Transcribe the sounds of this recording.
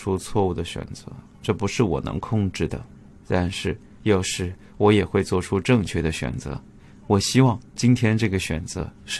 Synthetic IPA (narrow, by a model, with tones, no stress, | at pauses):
u˥t͡sʰwɔ˥˧u˥˩d̪ə˩ɕɥɛ̰˨˩nt͡sɤ̰˧˥ | ʈ͡ʂɤ˥˩pu˧˥ʂɻ̩˥˩wɔ̰˨˩nɤ̰˧˥ŋkʰʊ˥˧ŋʈ͡ʂɻ̩˥˩d̪ə̰˩ | t̪a˥˧nʂɻ̩˥˧ | jɑ˥˧ʊʂɻ̩˥˩ | wɔ˧˥jɛ˨˩xwe˥˧ɪt͡swɔ˥˩ʈ͡ʂʰu˥ʈ͡ʂɤ˥˧ŋt͡ɕʰɥɛ˥˩d̪ə˩ɕɥɛ̰˨˩nt͡sɤ̰˧˥ | wɔ˨˩ɕi˥wɑ˥˩ŋt͡ɕi˥nt̪ʰjɛ˥nʈ͡ʂɤ˥˩ɡə˩ɕɥɛ̰˨˩nt͡sɤ̰˧˥ʂ